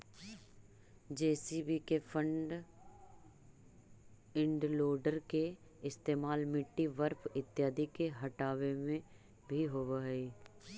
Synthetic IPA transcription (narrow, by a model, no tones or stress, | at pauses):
d͡ʒeːsibikefʰə̃ɳɖ | ɪ̃ɳɖloːɖəɾke | ɪst̪eːmaːlmɪʈːiʋəɾpʰɪt̪ːjaːd̪ikeɦɐʈaːʋemẽ | bʱiɦoʋəiː